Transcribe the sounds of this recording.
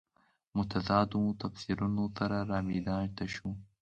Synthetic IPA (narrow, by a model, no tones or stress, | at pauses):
mʊt̪azɑːd̪ut̪afsiɾunosaɾaɾɑːmid̪ɑɳt̪aʃu